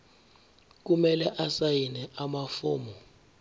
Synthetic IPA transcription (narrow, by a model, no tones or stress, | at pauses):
k̬umɛlɛʔasajinɛʔamafoːmɔ